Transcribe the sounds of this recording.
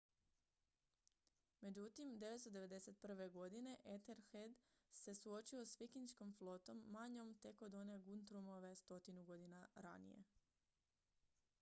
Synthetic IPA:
me̞d͡ʑut̪imd̪e̞ʋest̪od̪e̞ʋe̞d̪e̞se̞t̪̚pr̩ʋe̞ɡo̞d̪ine̞ʔet̪eɾxed̪se̞suo̞t͡ʃio̞sʋikinʃko̞mflˠo̞t̪o̞mːaɲo̞mt̪e̞ko̞d̪one̞ɡunt̪ɾumo̞ʋe̞st̪o̞t̪inuɡo̞d̪inaɾa̰nḭje̞̰

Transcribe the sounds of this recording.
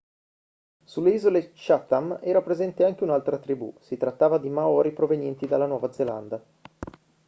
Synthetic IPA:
sulːeiːzolet͡ʃat̪ːamɛːɾapɾezɛnt̪eaŋk̟eunalt̪ɾat̪ɾibṵsit̪ɾat̪ːaːvad̪imaɔːɾipɾovenjɛnt̪id̪alːanwɔːvad̪zela̰nd̪a

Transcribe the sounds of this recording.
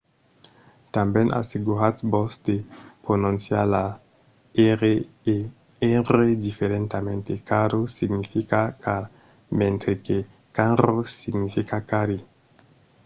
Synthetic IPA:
t̪ambjenʔa̰siɡuɾatbɔsd̪eponũnsjala | ɾe | eɾedifeɾent̪amẽnt̪ekaɾosiɡnifikakaɾ | mẽnt̪ɾeke | kanɾosiɡnifikakaɾi

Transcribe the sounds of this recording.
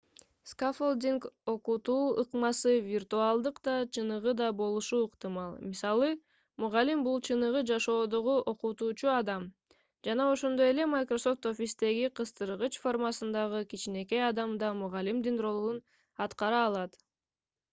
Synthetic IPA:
skafold̪ʲiŋko̞qut̪uːɯqmɑsɯvʲirt̪uɑlˠd̪ɯqd̪ɑt͡ʃʰɯnɯʁɯd̪ɑbo̞lˠuʃuːqt̪ɨmɑlˠmisɑlˠɯ | muʁɑlʲimbulˠt͡ʃʰɯnɯʁɯd͡ʒɑʃo̞ːd̪oʁuʔo̞qut̪uːt͡ʃuɑd̪ɑm | d͡ʒɑnɑo̞ʃo̞nd̪o̞je̞le̞majkroso̞ft̪o̞fʲist̪e̞ɡiqʰɯst̪ɯɾɯʁɯt͡ʃfo̞rmɑsɯnd̪ɑʁɯkit͡ʃine̞ke̞jɑd̪ɑmd̪ɑmuʁɑlimd̪inro̞lˠun | ɑt̪qɑɾɑːlˠɑt̪

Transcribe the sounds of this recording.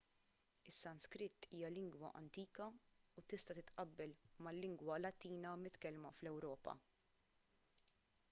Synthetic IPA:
ɪsːɐnskɾɪt̪ːiːjɐlɪŋɡwɐ̰ʔɐ̰nt̪iːkɐut̪ɪst̪ɐt̪ɪt̪ʔɐbːɛlmɐlːɪŋɡwɐlɐt̪iːnɐmɪt̪kɛlmɐflɛwɾɔːpɐ̰

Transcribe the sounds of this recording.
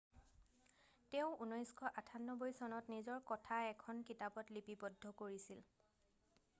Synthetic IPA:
tɛʊ̃unɔjskʰɔʔatʰanːɔbojsɔnɔtnizɔɹkɔtʰaɛkʰɔnkitabɔtlipibɔdʱːɔkoɹisil

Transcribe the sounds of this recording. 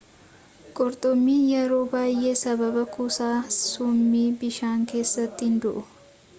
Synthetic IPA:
kʼɔɾt̪ʼɔmːiːjɛɾoːbaːjeːsɐbɐbɐkusaːsʊmːiːbɪʃaːŋke̞ːsːɐt̪ːɪhɪnd̪ʊʔʊ

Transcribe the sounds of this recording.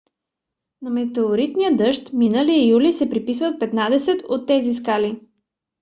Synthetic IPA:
nɐmɛt̪ɛoɾit̪nijəd̪ɤʃt̪minəliəjulisɛpɾipisvət̪̚pɛt̪nad̪ɛsɛt̪ot̪ːɛziskali

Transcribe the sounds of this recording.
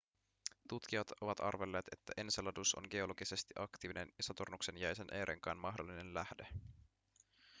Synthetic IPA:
t̪ut̪k̟iɑt̪o̞ʋɑt̪ɑ̰rʋe̞lːe̞ːt̪e̞t̪ːæʔenselɑduso̞̰ŋɡe̞o̞lo̞ɡise̞st̪iʔɑkt̪iːʋinenisɑt̪ornukse̞njæjse̞nʔeːɾʔḛŋkɑ̰nmɑɦdo̞lːine̞nlæhde

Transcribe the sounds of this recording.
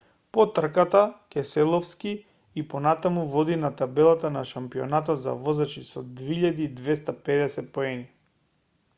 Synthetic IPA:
pɔt̪r̩kat̪akɛsɛlˠɔfski | iponat̪amuvɔd̪inat̪abɛlˠat̪anaʃampio̰nat̪̬ɔt̪za̰vɔzat͡ʃisɔd̪veiʎad̪iːd̪vɛst̪apɛd̪ɛsɛt̪̚poɛni

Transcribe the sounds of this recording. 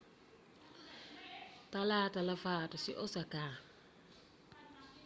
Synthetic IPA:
talatalafatɔsiʔɔsaka

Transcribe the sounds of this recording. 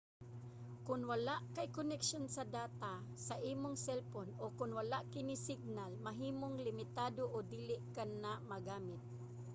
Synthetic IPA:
kʊnwɐlaʔkɐɪkonɛkʃonsɐd̪aːt̪asɐʔiːmoŋsɛlponʔokʊnwɐlaʔkɪnɪsɪɡ̚nalmɐɦiːmoŋlɪmɪt̪aːd̪oʔod̪iːlɪʔkanːamɐɡaːmɪt̪̚

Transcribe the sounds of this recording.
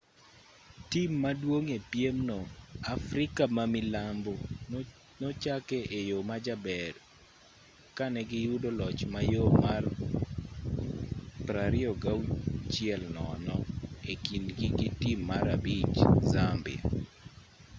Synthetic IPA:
timːadwoŋepjemnɔafɾɪkamamɪlambo | nɔt͡ʃakɛʔejomad͡ʒabɛr | kanɛɡɪjudolɔt͡ʃmajomar | pɾaɾɪɔɡawt͡ʃɪɛlnɔnɔekindɡiɡitimːaɾabit͡ʃzambɪ̰a̰

